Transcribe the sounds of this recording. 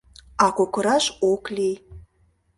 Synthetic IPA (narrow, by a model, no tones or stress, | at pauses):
ɑkokə̆ɾɑʃoklej